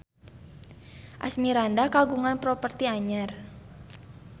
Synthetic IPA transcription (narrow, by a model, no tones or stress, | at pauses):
ʔa̰smiɾandakaɡuŋanpɾɔpərt̪iaɲər